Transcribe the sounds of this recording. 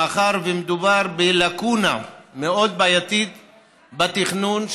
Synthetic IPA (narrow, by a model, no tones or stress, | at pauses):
aχaʁvemed̪ubaʁbelakuna̰meo̞d̪̚baːjat̪it̪ | bat̪iχnunʃ